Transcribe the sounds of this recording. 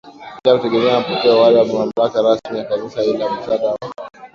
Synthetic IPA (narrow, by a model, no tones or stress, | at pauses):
ilakutɛɡɛmɛampɔtɛawalaammam̩lakaɾasmiakanisailam̩saɗaɾa